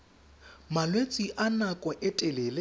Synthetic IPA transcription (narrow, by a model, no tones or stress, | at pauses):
malwet͡sʼiʔanakʼɔʔɛtʼɛleːlɪ